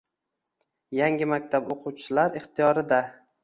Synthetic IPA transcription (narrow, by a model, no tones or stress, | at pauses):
jaŋʲɪmakʲt̪ʰaboqʰuwt͡ʃʰɪlaɾɪχt̪ijɒɾɪd̪a